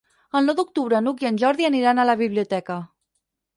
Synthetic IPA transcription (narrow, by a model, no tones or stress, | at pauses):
əlˠnɔwd̪uk̚t̪uβɾənuk̬iənʲʒɔɾðiəniɾanələβiβliut̪ɛkə